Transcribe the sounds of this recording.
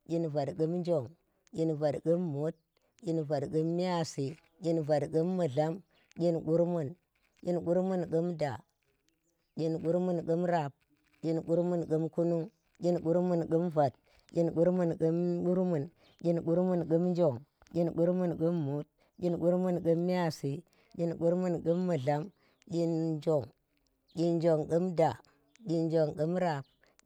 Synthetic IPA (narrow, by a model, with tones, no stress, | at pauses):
ɡʲi˦nva˨dɡə˦mn˦d͡ʒo˨ŋ | kʲi˦nva˨dɡə˦mːu˦t̚ | kʲi˦nva˨dɡə˦mːi˦a˦si˨ | ɡʲi˦nva˨dɡə˦mːə˨ɮa˦m | ɡʲi˦nɡu˦ɾmu˦˨n | ɡʲi˦nɡu˦ɾmu˦˨nɡə˦mda˨ | kʲi˦nɡu˦ɾmu˦nɡə˦mɾa˨p̚ | kʲi˦nɡu˦ɾmu˦nɡə˦mku˦nu˦ŋ | ɡʲi˦nɡu˦ɾmu˨nɡə˦mva˨t̚ | ɡʲi˦nɡu˦ɾmu˦˨nɡu˦mɡu˦ɾmu˨n | ɡʲi˦nɡu˦ɾmu˦˨nɡu˦m˦d͡ʒo˨ŋ | ɡʲi˦nɡu˦ɾmu˦nɡu˦mːu˦t̚ | ɡʲi˦nɡu˦ɾmu˦˨nɡə˦mː˦i˦a˦˨si˨ | ɡʲi˦nɡu˦ɾmu˦˨nɡu˦mːu˨ɮa˨˦m | ɡʲi˦nd͡ʒo˨ŋ | ɡʲi˦nd͡ʒo˨ŋɡɨ˦mda˨ | ɡʲi˦nd͡ʒo˨ŋɡu˦mɾa˨p̚